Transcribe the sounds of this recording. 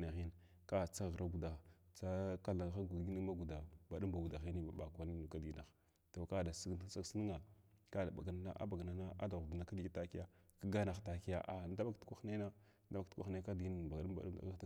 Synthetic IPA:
a˨ɣi˦n˨ | ka˦t͡sa˦˨ɣɾa˦ɡu˨da˨t͡sa˦ka˦la˨˦xa˦ɡu˨ɡi˦ni˦ma˦ɡu˨da˨ba˨ɗu˦mba˨ɡu˨da˨ɣi˦ni˦ba˨ɓa˨kʷa˦ni˦nu˨ka˦di˨na˨x | to˨ka˦da˨si˦ɡn˦t͡sa˦ksi˦ni˦ŋa˨ka˦da˨ba̰˨ɡa˨na˨na̰˦ʔa̰˦ba˨ɡa˨na˨na˦ʔa̰˦da˨ɣu˨du˨na˨ka˦di˨ɡi˦ta˦ki˦ja˦ka˦ɡa˦na˨xta˨ki˦ja̰˨ʔa˨n˦da˦ba˦ktkʷa˦xne˦na˦ | da˦ba˦ktkʷa˦xe˦ka˦dɡi˦n˨ba˨ɡɗu˦ba̰˨ɗu˦da̰˨ɣa˦

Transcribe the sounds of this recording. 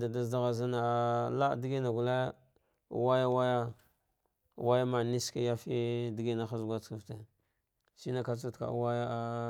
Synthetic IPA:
da˨da˦zda˦ɣa˨za˦na˨a˨la˦˨di˦ɡi˦na˨ɡu˨le˦˨ | wa˦ja˦wa˦ja˦˨ | wa˦ja˦ma˨ni˦ska˦ja˦fi˦di˦ɡi˦na˨xa˦zɡʷa˦t͡ska˦˨fte˨ | si˦na˦ka˦su˦tka̰˨˦wa˦ja˦a˦

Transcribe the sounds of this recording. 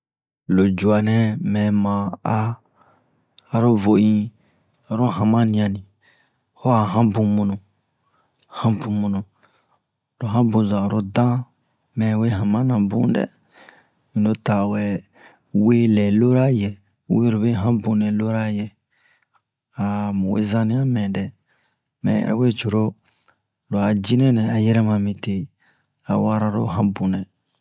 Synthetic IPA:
lo˨d͡ʒu˨a˨nɛ̃˨mɛ̃˨mã˨a˦˨ | ɾo˦vo˨ĩ˧˨ | ɾo˦ɦã˨mã˦nĩ˧˨ã˧nĩ˨ | hɔ˦a˨ɦã˦bũ˧mũ˧nũ˨ | hã˦bũ˨mũ˨nũ˨ | lo˨ɦã˦bũ˧zã˨ɾo˦dã˦ | mɛ̃˨we˦ɦã˨mã˦nã˨bṵ̃˦dɛ̰˦ | mĩ˨no˧ta˨wɛ˨ | we˦lɛ˨lo˦ɾa˦jɛ˨ | we˦ɾo˨be˦ɦã˦bũ˨nɛ̃˨lo˦ɾa˦jɛ˨ | a˨mũ˨wḛ˦zã˦nĩ˦a˦mɛ̃˨dɛ˨ | mɛ̰̃˨jɛ̰˨ɾɛ̰˨we˦t͡ʃo˨ɾo˦ | lo˨a˨d͡ʒi˦nɛ̃˦nɛ̃˨a˨jɛ˦ɾɛ˦mã˨mĩ˨te˨ | a̰˨wa˦ɾa˧ɾo̰˦ɦã˦bũ˨nɛ̃˨

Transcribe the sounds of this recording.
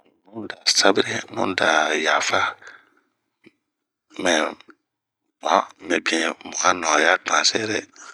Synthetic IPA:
nũ˦n˦˨da˨sa˦bi˦ɾe˦nṵ̃˦n˦˨da˨ja˨fa˦ | mɛ˨ | mã˨˦mɛ˨bi˦ɛ̃˨mu˨ka˦nɔ̃˨ja˦tu˨ã˨sɛ˦ɾɛ˦

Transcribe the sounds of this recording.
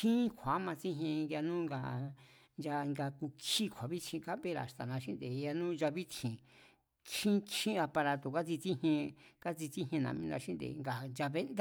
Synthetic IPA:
ʃĩ˦kʷʰa˨˦mã˧t͡sĩ˦ɦẽ˧ŋɡa˧nũ˦ŋɡa˧ | nd͡ʒa˧ŋɡa˧ku˧kʰi˦kʰʷa˨βi˦t͡ʃʰĩ˧ka˦be˦ɾa̰˨t̪a˨nã˧ʃĩ˦nd̪e˨˧ja˧nũ˦nd͡ʒa˧βi˦t̪ʰĩ˨ | ʃĩ˦t͡ʃĩ˦˧a˧pa˧ɾa˧t̪o˨ka˦t͡si˧t͡sĩ˦hẽ˧ka˦t͡si˧t͡sĩ˦ɦẽ˧nã̰˨mĩ˧nã̰˧ʃĩ˦nd̪ḛ˨˧ŋɡa˨nd͡ʒa˧βe˦nd̪a˦

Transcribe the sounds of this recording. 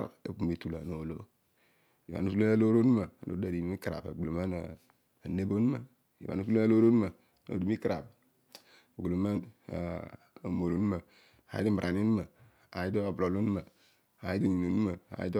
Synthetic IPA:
ḛ˨ku˨mi˨tu˨la˨no˨lo̰˦ | i˨ba̰˨nu˦su˦lo˦a˦lo˦ɾo˦nu˦ma˨no̰˨˦da˨di˨˦i˦kɾa̰˨ba̰˨lo˨ma˦na˨ | ne˦bo˦nu˦ma˨ | ḭ˨ba̰˨nu˦s̬u˦lo˦a˦lo˦ɾo˦n˦ma˨ | no̰˨di˨mi˦kɾa˨p | ɡu˨lo˨ma̰˦˨ | mo˨ɾo˨nu˦a˨ | a̰˨˦i˦di˦m˨ʔa˨ni˦n˦ma˨ | a˨ji˦do˦˨blo˨lo˦n˦ma˨ | a˨ji˦di˦˨ɲi˨no˨nu˦ma˨a̰˨ji˦d

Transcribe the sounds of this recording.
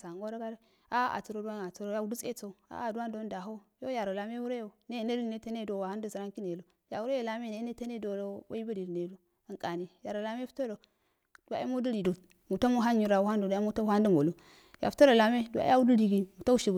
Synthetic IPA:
sa˨ŋɡo˦ɾa˦ɡa˦ɾa˦ | a˦a̰˨t͡su˨ɾo˨du˦a˦n˨a˨t͡su˨ɾo˨ja˦u˦du˦t͡sḛ˦t͡so˦˨u˨a̰˦˨du˦wa˦ndo˦n˦da˨ɦo˦jo˦ja˨ɾo˨la˨me˦wu˦ɾa˦jo˨ne˦˨ne˦ɾi˨ne˦ta˦ne˦do˨wa˨ha˦n˦du˦zi˨ɾa˦ŋki˦ne˨lo˨ | ja˨wu˦ɾe˦jo˨la˦me˦˨ne˦e˦ta˦ne˦do˨lo˦wa̰˦i˦ba˦di˨ɾne˨˦u˦˨ | ŋkʼa˨ni˨ja˨ɾo˨la˨me˦fu̥˦to˦ɾo˨ | du˨wa̰˨˦i˦mo˦du˦ɾi˨do˨ | mu˨ta˦mu˦ɦa˦ɲi˨ɾa˨wu˦ha˦ndo˨dmu˦a˦u˦ha˦ndu˦mo˨lu˦ | ja̰˨fu˨˦to˦ɾo˨la˨me˦du˨wa̰˨˦a˦u˦du˦li˨ɡi˦mu˨ta˦u˦ʃi˨ɡu˨

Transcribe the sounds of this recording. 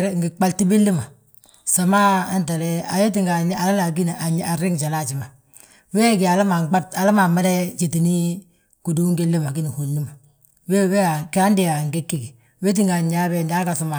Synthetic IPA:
ɾŋ˨ɡɪ˨k͡pa˦lti˦be˦li˦ma˨ | sa˨ma˦ntɛ˨lɛ˦a˨je˦t̬i˨ŋɡa˨˦a˨la˦la˨ɡ̬i˦n˨a˨ɲ˦a˨ɾɪ˦ŋ˨t͡ʃa˨la˦˨t͡ʃi˨ma˨ | we˦˨kɪ˨a˨la˦ma˨ŋk͡pa˦ta˨la˦ma˨ma˦ɾɛ˦t͡ʃe˨ti˨ni˦ | ku˨du˦ŋɡe˦le˦ma˨ɡi˦ni˨ho˨n˦li˦ma˨ | we˦we˦a˨kɪ˦a˦n˦dɪ˦˨ja˨ŋ˨ɡe˦kːi˦ɡi˨ | we˦t̬i˦ŋɡa˨ɲa˦bɛ˦˨nda˦ka˨sa˨ma˨

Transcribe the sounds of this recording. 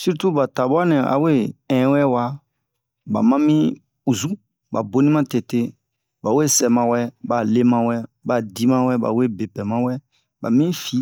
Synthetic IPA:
si˦ɾtu˦ba˨ta˨ba˦nɛ̃˨a̰˨we˦ɛ̃˨˦wɛ˦wa˦ | ba̰˨mã˦mĩ˦ | u˨zu˦ | ba̰˨bo˦nĩ˦mã˦te˨te˦ | ba˨we˦˨sɛ˨mã˨wɛ˦ba˨le˦mã˦wɛ˦ | ba˨di˦mã˦wɛ˦ba̰˨we˦˨be˨pɛ˨mã˦wɛ˦ | ba̰˨mĩ˦fi˨˦

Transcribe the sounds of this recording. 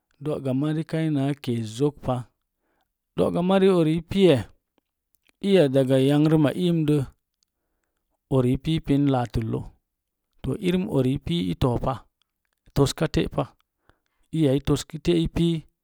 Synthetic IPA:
do˨ɡa˨ma˦ɾi˦ka˦i˦na˨˦ke˨zo˦kpa˦ | d̥o̰˨ʔɡa˨ma˦ɾi˦o˨ɾi˨˦pi˦je˨ | i˦ja˨da˨ɡa˨ja˦ŋɾi˦ma˨ʔi˦mdə˦ | o˨ɾi˨˦pi˦pi˦nla˨tu˨lːo̰˦ | to̰˨ʔi˦ɾi˦mo̰˨ɾi˨˦pi˦ḭ˦to˨pa˦˨ | to˦ska˦tḛ˦ʔpa˦ | i˦ja˨i˦to˨ski˦te˦i˦pi˦

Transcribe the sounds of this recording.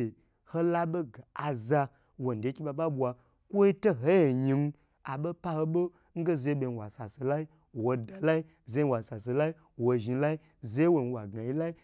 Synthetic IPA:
e˨ | ho˦la˦ɓo˦ɡa˨a˨za˧ | wo˨n̩˨dʲe˨˦kʲi˦ɓa˧ɓa˦bʷa˧ | kʷo˦i˦to˦ɦo˦je˨ɲi˧ŋ˦ | a˨ɓo˦pa˦ho˧ɓo˦ | ŋ̩˦ɡe˦ze˧˦ɓʲe˧˨n˨wa̰˨sa˨so˨la˦i˦˨ | wo˧da˨la˦i˦ | ze˧˦wa˨sa˨so˨la˦i˦ | wo˧ʒi˨˧la˦i˦ | ze˦wo˧˨n˦wa˨ɡa˨ji˦la˦i˦

